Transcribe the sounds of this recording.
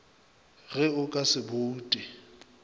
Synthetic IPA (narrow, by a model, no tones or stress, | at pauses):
ɣɛʊkʼasɪboːtʼɪ